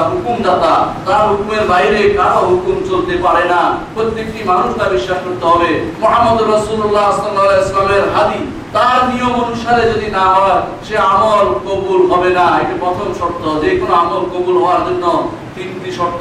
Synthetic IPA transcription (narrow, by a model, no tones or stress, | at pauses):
ɦukumd̪at̪at̪aɾɦukumeɾbajɾekaɽaɦukumt͡ɕolt̪epaɾenapɾot̪ːekʈimanuʃtabiʃːaʃkoɾt̪eɦɔbemoɦamːɔd̪oɾɔsululːaslalːaalɛslameɾɦad̪i | t̪aɾniomonuʃaɾed͡ʑod̪inaɦɔɽaʃeamolkobulɦɔbenaɛk̚ʈipɾɔt̪ʰomʃɔɾt̪ːod͡ʑekonoamolkobulɦɔaɾd͡ʑonːo | t̪int̪iʃɔɾt̪ː